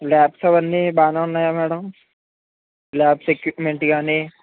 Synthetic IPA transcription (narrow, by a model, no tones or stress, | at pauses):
lɛːpsabɐnːebaːnanajamɛːɽəm | lɛːpsekmeɳʈiɡaːne